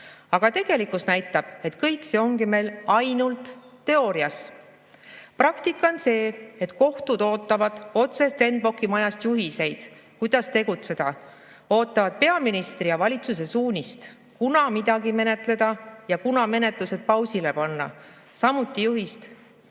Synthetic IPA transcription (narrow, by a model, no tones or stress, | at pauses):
ɑɡ̥ɑt̪e̞ɡ̥e̞likːusnæjt̪ːˑɑb̥̚e̞t̪kɤjkse̞o̞ŋɡime̞jlɑjnult̪ːe̞o̞ːɾiɑs | prɑkt̪ikːˑonse̞ːet̪ko̞ht̪ud̪̥o̞ːt̪ːˑɑvɑd̪̥o̞t̪se̞st̪e̞nb̥o̞kːimɑjɑst̪juɦise̞jd̪̥kujd̪̥ɑst̪e̞ɡ̥ut̪se̞d̪̥ɑ | o̞ːt̪ːˑɑvɑd̪̥̚pe̞ɑminist̪rijɑvɑlʲit̪suse̞suːnʲist̪ | kunɑmid̪̥ɑɡime̞ne̞t̪ˑle̞d̪̥ɑjɑkunɑme̞ne̞t̪ˑluse̞d̪̥̚pɑwsile̞pɑnːɑ̰ | sɑmut̪ːˑijuɦist̪